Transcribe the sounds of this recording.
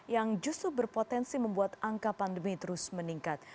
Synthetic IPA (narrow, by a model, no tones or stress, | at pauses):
jaŋd͡ʒust̪ɾʊbərpot̪ɛnsiməmbuat̪aŋkapandəmit̪əɾʊsməniŋkat̪̚